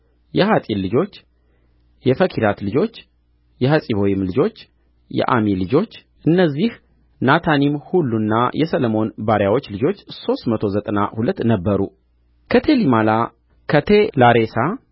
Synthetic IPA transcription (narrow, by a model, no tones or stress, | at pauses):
jɛhat̪ʼillːɨd͡ʒo̞t͡ʃː | jɛfəkʰiɾat̪lɨd͡ʒo̞t͡ʃː | jɛhəsʼiβojimlɨd͡ʒo̞t͡ʃː | jɛ̰ʔa̰milɨd͡ʒo̞t͡ʃː | ʔɨnːəzːih | nat̪ʰanimhulːunːajʔɛsələmo̞nbaɾjawo̞t͡ʃːlɨd͡ʒo̞t͡ʃːso̞st̪mət̪ʰo̞zət̪ʼəna̰hulət̪ːnəbːəɾṵ | kʰət̪ʰe̞limala | kʰət̪ʰe̞laɾe̞sa